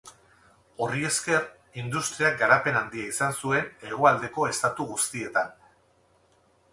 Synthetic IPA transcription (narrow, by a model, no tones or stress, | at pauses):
o̞rie̞ske̞r | ind̪ust̪ɾiak̚ɡaɾape̞nand̪iaisansue̞ne̞ɣ̞oald̪e̞ko̞e̞st̪at̪uɣust̪ie̞t̪an